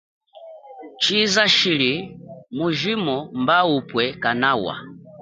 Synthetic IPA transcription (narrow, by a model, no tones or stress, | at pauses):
t͡ʃizaʃilimuʒimɔmbaupwɛkanawa̰